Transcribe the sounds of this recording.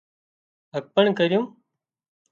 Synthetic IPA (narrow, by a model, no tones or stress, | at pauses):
ɦək̚pəɳkəɾɪjũː